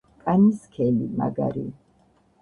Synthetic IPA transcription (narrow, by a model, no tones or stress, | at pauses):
kʼaniskʰɛlima̰ɡa̰ɾḭ